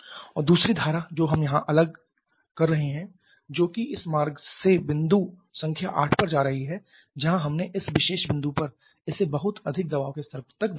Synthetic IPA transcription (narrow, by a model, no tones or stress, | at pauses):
ɔːɾd̪uːsɾid̪ʱaːɾad͡ʒoːɦɐmjɐɦãʔɐləɡ̚ | kɐɾːɐɦeɦɛ̃ː | d͡ʒoːkiɪsmaːɾɡsebɪ̃nd̪u | sɐ̃ŋkʰja̰ʔa̰ːʈʰpɐɾd͡ʒaːɾɐɦiɦɛ | d͡ʒɐɦãɦɐmneʔɪsʋɪʃeːʃbɪ̃nd̪upɐɾ | ɪsebɐɦʊt̪ɐd̪ʱɪk̚d̪ɐbaːʋkest̪ɐɾbt̪ɐkd̪